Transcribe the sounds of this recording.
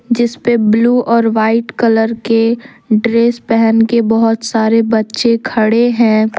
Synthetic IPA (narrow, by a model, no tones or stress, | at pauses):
d͡ʒɪspebluːʔɔːɾʋaːɪʈkələɾke | ɖɾeːspɛɦɛnkebɐɦʊt̪saːɾebɐtːʃekʰɐɽeɦɛ̃ː